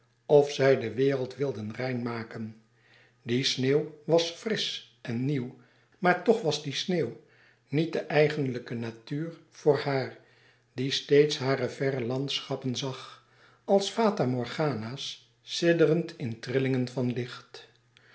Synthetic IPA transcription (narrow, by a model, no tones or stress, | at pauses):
ɔfsɛjdəʋɪːrəlˠtʋɪlˠdənrɛjnmaːkən | disneːwʋɑsfrɪs | ɛnːiw | maːɹtɔχʋɑzdisneːw | nit̚dəʔɛjχənləkənatyːɹv̥ʊːɹhaːɹ | distejtsɦaːɾəvɛrəlɑntsχɑpənzɑχ | ɑlˠsfaːtamɔɹχaːnaːsː | ɪdərəntʰɪntrɪlɪŋənvɑnlɪχt